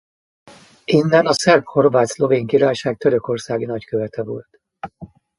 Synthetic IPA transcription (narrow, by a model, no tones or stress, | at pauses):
inːɛnɒsɛrpho̞rvaːt̪slo̞veːŋkiɾaːjʃaːk̚t̪øɾøko̞rsaːɡinɒckøvɛt̪ʰɛvo̞lt̪